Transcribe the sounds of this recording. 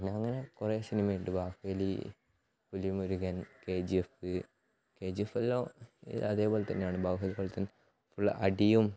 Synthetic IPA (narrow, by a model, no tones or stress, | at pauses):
nːɐŋːɐnekureːsinimɐjiɳɖɨbaːhelḭ | pulijumuɾuɣɐnkeːd͡ʑiefɨ | keːd͡ʑiefɐlːo̰ːɐ̰ðe̞ːbo̞ːlet̪ɐnːejaːɳɨbaːɦɐlikɐɭt̪ɐnː | fuɭːɐ̰ʔɐɖijum